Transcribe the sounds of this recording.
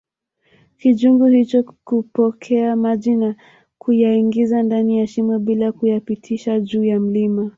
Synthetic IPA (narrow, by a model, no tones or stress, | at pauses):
kiʄuŋɡuhit͡ʃɔkupɔkʰɛamaʄina | kʰujaiŋɡizandanijaʃimwɛɓilakujapitʰiʃaʄuːjam̩lima